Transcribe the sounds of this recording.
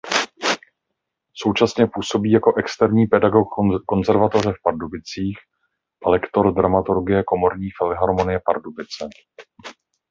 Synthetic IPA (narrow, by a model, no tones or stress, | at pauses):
so̞wt͡ʃasɲɛpuːso̞biːjako̞ʔɛkst̪ɛɾɲiːpɛdaɡo̞kko̞nzɛɾvat̪o̞rɛfpaɾdubɪt͡siːx | ʔɛlɛkt̪o̞ɾdɾamat̪uɾɡɪjɛko̞mo̞ɾɲiːfɪlɛɦaɾmo̞nɪjɛpa̰ɾdubɪt͡sɛ